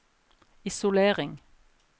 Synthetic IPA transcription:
ɪsʊleːʁɪŋ

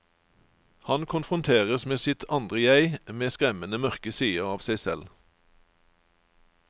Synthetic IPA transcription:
hɑnkʰʊnfʁʊnt̪ʰeːʁəsmeːsɪt̪ʰɑnd̪ʁəjæɪmeːskʁɛmənəmœʁkəsiːəʁɑːʋsæɪsɛ̰l

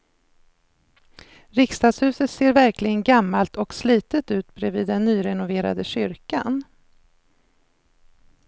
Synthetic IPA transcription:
ɾɪkst̪ɑːd̪shʉ̟ːsət̪seːɾvæɾklɪɡənɡamːalt̪ʰɔksliːt̪ət̪ʉ̟ːt̪bɾɛviːd̪ːɛnːyːɾɛnʊveːɾa̰d̪əɕʏɾka̰n

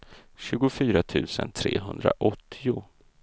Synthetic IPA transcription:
ɕʉ̟ːɡʊfyːɾat̪ʰʉ̟ːsənt̪ʰɾḛːɦɵnd̪ɾa̰ʔɔt̪ʰːɪʊ

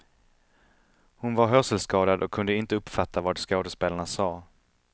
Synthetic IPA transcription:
hʊnvaɾɦœsɛlskɑːd̪ad̪ʔɔkʰːɵnd̪əɪnt̪əɵpfat̪ʰːavaːɖskoːd̪əspeːlaɳasɑː

